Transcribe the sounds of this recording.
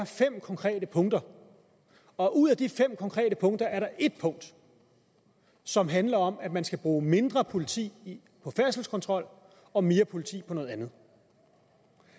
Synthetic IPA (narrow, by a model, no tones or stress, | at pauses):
fem̰kʰɒ̽ŋkʰʁɛ̰ːdəpʰɔ̽ŋ̰d̥ɐ | ɒ̽ʔuð̰ˠæd̥ifem̰kʰɒ̽ŋkʰʁɛ̰ːdəpʰɔ̽ŋd̥ɐæɐɾɑ̈ʔe̝d̥̚pʰɔ̽ŋ̰d̥ | sɒ̽mɦænlɐɒ̽mæd̥mænsɡ̥æb̥ʁuːme̝nd̥ʁɐpʰo̝lit͡sʰḭː | pʰɒ̽fæɐsl̩skʰɒ̽nt͡sʰʁɒ̽l̰ | ɒ̽me̝ːɐpʰo̝lit͡sʰḭːpʰɒnoɔ̽ðˠænð̞̩ˠ